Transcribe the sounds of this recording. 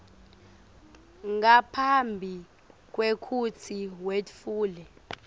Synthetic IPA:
ŋɡapʰambʱi | k̬ʼwekʰut͡sʰiwetfuːlɛ

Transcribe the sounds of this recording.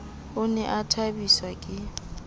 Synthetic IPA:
ʊnɛʔatʰabiswakʼɪ

